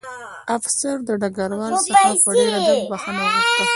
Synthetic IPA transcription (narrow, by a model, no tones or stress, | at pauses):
afsaɾd̪əɖaɡaɾwɑnsaapəɖeɾaabaxanawixt̪a